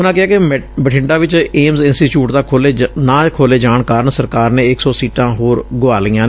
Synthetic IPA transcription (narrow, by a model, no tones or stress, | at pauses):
ʊnãːkɪɦaːkebəʈʰɪ̃ɳɖaːʋɪt͡ʃeːmzɪnsʈiːʈuːʈd̪aːkʰoːleːnãːkʰoːleːd͡ʒaːɳkaːɾənsəɾkaːɾneːɪksɔːsiːʈãːɦoːɾɡʊʋaːliːãː